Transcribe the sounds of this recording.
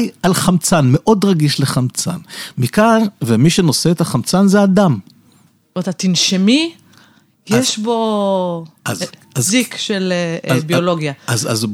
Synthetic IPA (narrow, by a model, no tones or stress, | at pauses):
jalχamt͡sanme̞ʔo̞dʁaɡiʃleχamt͡sa̰nmikaʁvemiʃeno̞seet̪aχamt͡sanzead̪am | met̪at̪inʃemi | jeʃbo | ʔaz | azikʃelbioloɡjaaza̰z